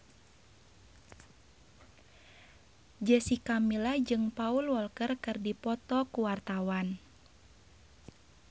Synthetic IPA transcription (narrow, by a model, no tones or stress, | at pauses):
d͡ʒəsikamilad͡ʒɨŋpaulwɔlkərkɨrdipɔt̪ɔkuwart̪awan